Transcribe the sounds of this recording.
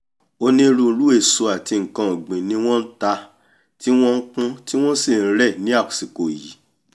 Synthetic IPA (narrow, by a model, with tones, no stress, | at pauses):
o˧nĩ˧ɾu˧lu˨˦e˦˨su˧a˨ti˧ŋ̩˨kã˧o˨ɡ͡bĩ˨nĩ˦w̃ɔ̃˦n̩˦ta˧ | ti˦w̃ɔ̃˦ŋ̩˦kũ˦ti˦w̃ɔ̃˦si˦˨n̩˦ɾɛ˦˨nĩ˨˦a˦˨ku̥˨si˨ko˨ji˨˦